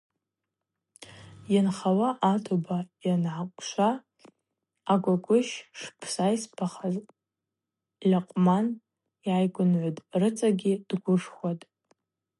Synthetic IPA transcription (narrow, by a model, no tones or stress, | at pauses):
janχawaʔatʰobajanʕakʷʼʃʷa | ɡʷaɡʷʼʊʃʂpʰsajspʰaχaz | laqʼman | jajɡʷʊnʕʷʊtʼrɨt͡sʼaɡʲid̥ɡʷʊʂχʷwatʼ